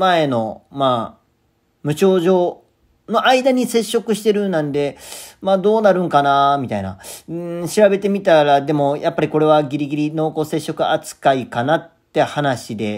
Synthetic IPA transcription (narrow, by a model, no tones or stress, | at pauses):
mae̞no̞maː | mɯ̟ɕo̞ːʑo̞ː | no̞ʔaid̪aɲ̟ise̞ɕːo̞kɯ̟ɕi̥t̪e̞ɾɯ̟nãnd̪e̞maːd̪o̞ːnaɾɯ̟̃ŋkanamʲit̪aina̰ɯɕiɾabe̞t̪e̞mʲit̪aɾad̪e̞mo̞jʔapːaɾʲiko̞ɾe̞β̞aɡʲiɾʲiɡʲiɾʲino̞ko̞ːse̞ɕːo̞kɯ̟at͡sɨ̥kaikanat̪ːe̞hanaɕid̪e̞